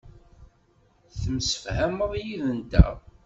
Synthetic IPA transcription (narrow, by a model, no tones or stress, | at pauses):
θəmsə̥fhæməðˤjiðənt̪æ̰